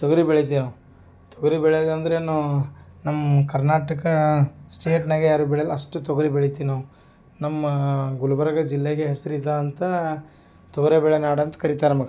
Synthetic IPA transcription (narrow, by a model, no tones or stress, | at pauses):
t̪ɔɡɐɾibeɭit̪̬iːno | t̪ɔɡɐɾibɛɭed̪ɐnd̪ɐɾenunɐmːɐkɐɾnaːʈɐkɐsʈeːʈnɐɡejaːɾubɛɭejɐlɐʂʈut̪ɔɡɐɾibeɭit̪iːno | nɐmːɐɡulɐbɐɾɐɡɐd͡ʒilːeɡeɦesɐɾid̪ɐːnt̪ɐ | t̪ɔɡɐɾebɛɭenaːɽɐnt̪ɐ̥kɐɾit̪aːɾnɐmɐɡɐ